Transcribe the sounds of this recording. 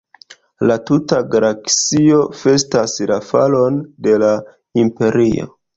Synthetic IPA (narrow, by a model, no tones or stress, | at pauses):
latutaɡaɾakst͡sio̞fe̞staslafa̰lo̞nde̞la | impe̞ɾio̞̰